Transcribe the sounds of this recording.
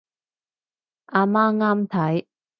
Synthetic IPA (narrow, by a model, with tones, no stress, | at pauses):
ʔaː˧maː˥ŋaː˥mt̪ʰɐ˨˦j